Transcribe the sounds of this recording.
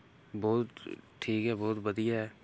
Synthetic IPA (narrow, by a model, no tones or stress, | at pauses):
bɔːt̪ʈʰːiːkɦɛːbɔːt̪bəd̪iɦɛː